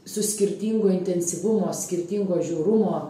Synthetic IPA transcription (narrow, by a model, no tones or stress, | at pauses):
sʊsʲkʲɪɾʲt̪ʲiːŋɡoːɪnʲt̪ʲɛnʲsʲɪʋʊmoːsʲkʲɪɾʲt̪ʲiŋɡoːʒʲuːɾʊmoː